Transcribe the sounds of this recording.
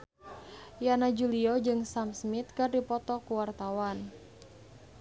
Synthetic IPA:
janad͡ʒuliɔd͡ʒɨŋsamsmit̪̚kɨrdipɔt̪ɔkuwart̪awan

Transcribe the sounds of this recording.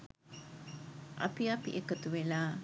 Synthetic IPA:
ʔɐ̰piɐpḭʔekɐt̪uʋelaː

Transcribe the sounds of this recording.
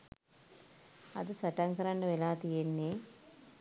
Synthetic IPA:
ɐ̰d̪ɨsɐʈɐŋkɐɾɐɳɖɐʋelaːt̪ijenːe

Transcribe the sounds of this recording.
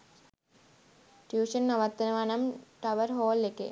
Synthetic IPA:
ʈjuːʂɐnːɐʋɐt̪ːɐnɐʋɐnɐmʈɐʋɐɾɦoːlːekːḛ

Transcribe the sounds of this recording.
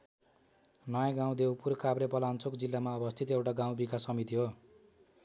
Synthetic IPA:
nʌjãɡãw̃d̪ewpurkabɾepʌlant͡sʰokd͡zilːamaʌbʌst̪ʰit̪ewʈaɡãw̃bikasʌmit̪iɦo

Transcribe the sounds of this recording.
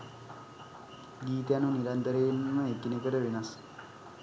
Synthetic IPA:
ɡiːt̪əjanuniɾant̪əɾeːnməekinekəʈəʋenas

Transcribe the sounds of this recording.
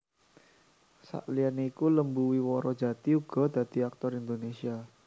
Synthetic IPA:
sa̰ʔlianikuləmbuwiwɔɾɔd̥d͡ʒ̥ä̤t̪iuɡ̥ɔ̤d̪̥ä̤d̪̥i̤ak̚t̪ɔɾind̪onesia

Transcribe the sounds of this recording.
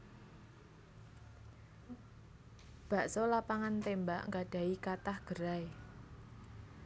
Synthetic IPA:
b̥a̤ʔsɔlapaŋant̪embaʔŋɡaɖ̥a̤ikat̪ahɡ̥əɾae

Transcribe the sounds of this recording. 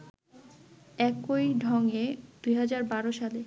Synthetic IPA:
ɛkojɖʱɔŋed̪̥ujɦad͡ʑaɾbaɾoʃale

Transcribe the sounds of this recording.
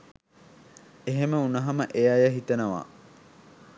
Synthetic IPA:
eɦeməunɐɦɐmɐʔejajɐɦit̪ɐnɐʋa̰ː

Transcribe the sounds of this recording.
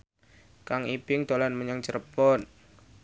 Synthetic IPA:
kaŋipɪŋd̪̥o̤lanməɲaŋt͡ʃərpɔn

